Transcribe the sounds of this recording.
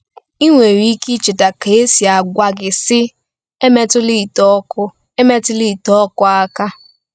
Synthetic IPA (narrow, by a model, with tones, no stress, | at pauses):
i˦ŋʷe˨ɾi˦ki˦t͡ʃɪ˨ta˨ke˨e˦si˨a˨ɡʷa˨ɡɪ˨sɪ˦ | e˦me˦tʊ˦li˦˨tɔ˦kʊ˦ | e˦me˦tʊ˦li˦˨tɔ˦kʊ˦a˦ka˦